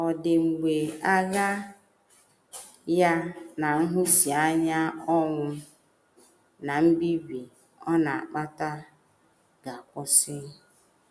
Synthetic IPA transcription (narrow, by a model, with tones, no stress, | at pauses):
ɔ˨dɪ˨ŋ͡m̩˨ɡ͡be˨a˦ɣa˦ | ja˦na˨ŋ̩˦ɦʊ˦si˨a˦ɲa˦ɔ˦ŋʷʊ˦ | na˨m̩˦bi˦bi˨ | ɔ˦na˨a̰˨k͡pa˦ta˦ | ɡa˨a˨kʊ˦sɪ˦